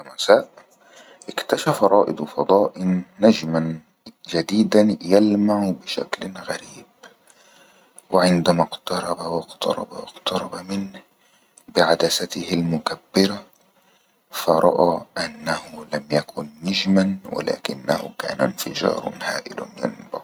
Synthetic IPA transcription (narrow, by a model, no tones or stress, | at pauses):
masaːʔ | ʔɪkt̪aʃafɾˤɑːʔɪd̪fɑd̪ˤɑːʔɪːad͡ʒman | d͡ʒad̪iːd̪anjalmaʕʊbɪʃa̰klɣaɾiːb | wɪʕɪnd̪amaqt̪ɑɾˤɑbawɑqt̪ɑ̰ɾˤɑ̰ba̰wɑqt̪ɑɾˤɑbamɪn | bɪʕad̪asat̪ɪhɪlmʊkabːɪɾa | fɑɾˤɑ̰ʔaːʔanːahʊlamjakʊnːad͡ʒmanwɪ̰la̰ːkɪnːa̰hʊ̰ka̰ːna̰nfɪd͡ʒɑ̰ːɾ̰ˤnha̰ːʔɪ̰l̰nja̰nba̰